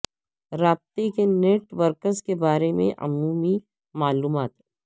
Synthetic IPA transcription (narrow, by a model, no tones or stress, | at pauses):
ɾaːb̚t̪ekeneːʈʋəɾkəɾzkebaːɾemḛ̃ʔɐ̰muːmi | maːluːmaːt̪